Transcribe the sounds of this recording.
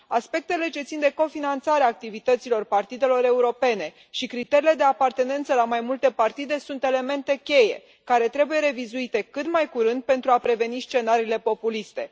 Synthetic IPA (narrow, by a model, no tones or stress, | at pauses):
aspe̞k̚t̪e̞le̞t͡ʃe̞t̪sind̪e̞ko̞finant̪saɾeaːk̚t̪ivit̪ət̪silo̞rpart̪id̪e̞lo̞ɾe̞uɾo̞pe̞ne̞ | ʃikɾit̪e̞ɾile̞d̪e̞apart̪e̞ne̞nt̪səlamajmult̪e̞part̪id̪e̞sunt̪e̞le̞me̞nt̪e̞kʲe̞je̞ | kaɾe̞t̪ɾe̞buje̞ɾe̞vizuit̪e̞kɨt̪majkuɾɨnd̪̚pe̞nt̪ɾuapɾe̞ve̞nist͡ʃe̞naɾiːle̞po̞pulist̪e̞